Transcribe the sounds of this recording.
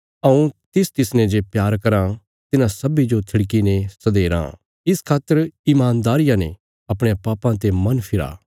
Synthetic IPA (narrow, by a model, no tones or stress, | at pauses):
ɐũt̪ɪst̪ɪsnɛ̃d͡ʒepjaːɾkɐɾã | t̪ɪnãsɐbid͡ʒot̪ʰɪɽk̬inesɐd̪eːɾã̰ | ɪskʰaːt̪ːəɾimaːnd̪aːɾɪjãnẽ | ɐpɽ̃apaːpãt̪emɐnpʰɪɾa̰ː